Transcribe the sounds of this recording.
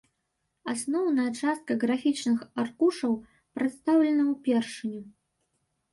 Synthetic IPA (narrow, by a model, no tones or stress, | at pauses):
asnɔwnɐjɐt͡ʂast̪̚kɐɣɾafʲit͡ʂnɨxarkuʂɐw | pɾɨt̪st̪awlʲɛnɐwpʲɛrʂɨnʲu